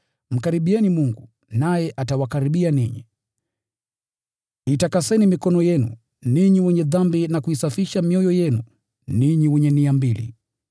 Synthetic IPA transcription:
m̩kaɾiɓiɛnimuŋɡu | najɛʔatawakaɾiɓianiɲḭ | itakasɛnimikɔnɔjɛnṵ | niɲiwɛɲɛðambinakuisafiʃamiɔjɔjɛnu | niɲiwɛɲɛniambilḭ

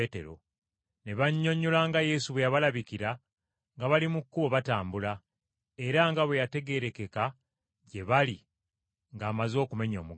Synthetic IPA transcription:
etḛɾo̞̰ | ne̞βaɲːo̞ɲːulaŋɡaje̞suβwejaβalaβikiɾa | ŋɡaβalimukːuβo̞βataːmbula | e̞ɾaŋɡaβwe̞jate̞ɡe̞ɾe̞ke̞ka | ɟe̞βali | ŋɡaːmazo̞ːkume̞ɲo̰ːmuɡ

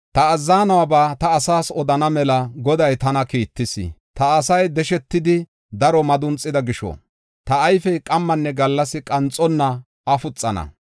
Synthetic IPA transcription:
t̪ɐːzːaːnɐwɐbaːt̪ɐːsaːsɔd̪ɐnɐmɛlɐɡɔd̪ɐjt̪ɐnɐkiːt̪ːɪsɪ̰t̪ɐːsɐjd̪ɛʃɛt̪ːɪd̪ɪ | d̪ɐɾɔmɐd̪ʊnt͡sʼːɪd̪ɐɡɪʃɔ̰ | t̪ɐːjfɛjkʼɐmːɐnːɛɡɐlːɐsɪkʼɐnt͡sʼːɔnːɐ | ɐfʊt͡sʼːɐnɐ̰

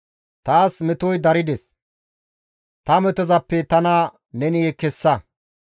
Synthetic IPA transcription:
t̪aːsmɛt̪ɔjd̪ɐɾɪd̪ɛs | t̪ɐmɛt̪ɔzɐpːɛt̪ɐnɐ | nɛnɪjɛkɛsːɐ

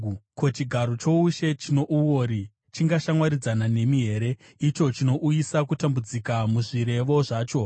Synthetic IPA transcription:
ko̞t͡ʃiɡʱaɾo̞t͡ʃo̞uʃe̞t͡ʃino̞ʔuwoːɾi | t͡ʃiŋɡaʃamwaɾid͡zanane̞miɦe̞ɾe̞ | it͡ʃo̞t͡ʃino̞ʔujisakutambud͡zikamuʐiɾe̞ʋo̞ʐaːt͡ʃo̞

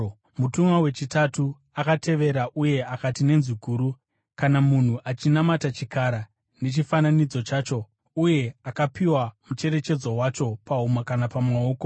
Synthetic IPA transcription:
mutumwawe̞t͡ʃitatu | akatʰe̞ʋe̞ɾaʔuje̞akatine̞nziɡʱuːɾu | kanamun̤uʔat͡ʃinamatat͡ʃikaɾa | ne̞t͡ʃifananid͡zo̞t͡ʃaːt͡ʃo̞ | uje̞akapiwamut͡ʃe̞ɾe̞t͡ʃe̞d͡zo̞wat͡ʃo̞paumakanapamwao̞ːko̞

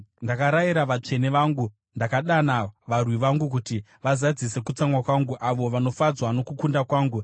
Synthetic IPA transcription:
ndakaɾajiɾaʋat͡ʂe̞neʋaːŋɡu | ndakaɗanaʋarwiʋaŋɡuk̬uti | ʋazad͡zise̞kut͡samwakwaŋɡuʔaʋo̞ʋano̞fad͡zwano̞kukundakwaːŋɡu

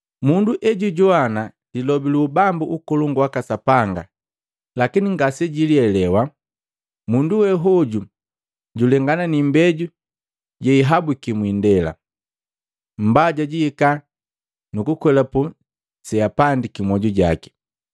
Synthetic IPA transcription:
munduʔɛɟuɟɔana | dilɔbiluːbambuʔukɔluŋɡwakasapaŋɡa̰ | lakiniŋɡasɛɟiliɛlɛwa | munduwɛɦɔɟu | ɟulɛŋɡananimbɛɟu | ɟɛiɦabukimwindɛla̰ | m̩baɟaɟiika | nukukwɛlapu | sɛapandikimɔɟuɟa̰ki̥

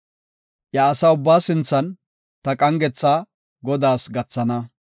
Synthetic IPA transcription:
jɐːsɐʊbːaːsɪnt͡sːɐn | t̪ɐkʼɐŋɡɛt͡sːaː | ɡɔd̪aːsɡɐt͡sːɐnɐ

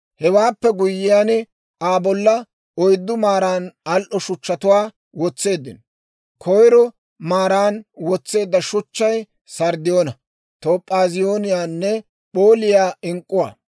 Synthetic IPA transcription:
hɛwaːpːɛɡʊjːɪjaːnɛ | aːbɔlːɐ | ɔjd̪ːʊmaːɾaːnɐlʔɔʃʊt͡ʃːɐt̪ʊwaː | wɔt͡sːe̞ːd̪ːɪn | kʰɔjɾɔ | maːɾaːnwɔt͡sːe̞ːd̪ːɐʃʊt͡ʃːɐj | sɐɾd̪ɪjoːnɐ | t̪oːpʼːaːzɪjoːnɪjaːnːɛ | pʼo̞ːlɪjaːɪŋkʼːʊwa̰ː

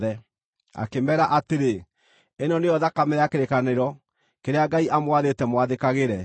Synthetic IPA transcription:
ðɛ | a̰kemɛːɾaʔateɾe | enɔneɔðakameɾeakeɾekaneɾɔ | keɾeaɡaiʔamwaðetɛmwaðekaɣeɾɛ

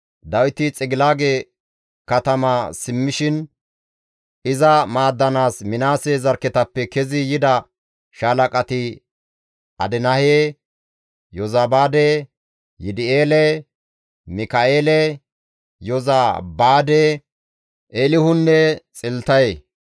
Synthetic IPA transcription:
d̪ɐwɪt̪ɪt͡sʼɪɡɪlaːɡe | kɐt̪ɐmɐsɪmːɪʃɪn | ʔɪzɐmaːd̪ːɐnaːsmɪnaːseːzɐɾkːɛt̪ɐpːɛkɛzɪjɪd̪ɐ | ʃalɐkʼɐt̪ɪ | ʔɐ̰d̪ɛnɐheː | jɔzabaːd̪e | jɪd̪ɪeːlɛ | mɪkɐʔeːlɛ | jɔzabaːd̪ɛ | ʔeːlɪhʊnːɛt͡sʼɪlt̪ɐje

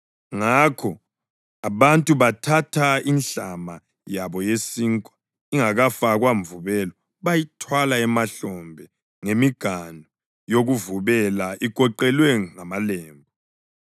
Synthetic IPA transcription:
ŋakʰɔ | aβantʼuβatʰatʰainɬama | jaβɔjesiŋkʼwḁ | iŋaɣafaɣwaɱvuβɛlɔ | βajitʰwalaɛmaɬɔmbʱɛ | ŋemiɡ̥ʱanʱɔ | joɣuvuβɛlaʔikʼɔǃɛlwɛŋamalɛːmbʱɔ

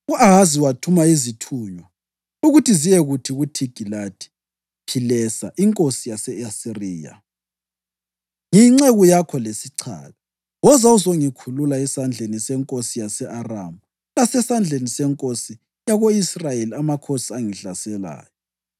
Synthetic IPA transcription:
uaɣaziwatʰumaizitʰuːɲwa | uɣutʰizijɛɣutʰiɣutʰiɡ̥ʱilatʰʼi̥ | pʰilɛsaʔiŋkʼosijasɛasiriːja̰ | ŋiŋ͡ǁeɣujakʰɔlesiǀʰa̰ːlɔ | wɔzauzoŋikʰululaɛsand͡ɮʱenisɛŋkʼosijasɛʔara̰mu | lasɛsand͡ɮʱenisɛŋkʼosi | jaɣoisrajeliamakʰosiaŋiɬasɛla̰ːjɔ

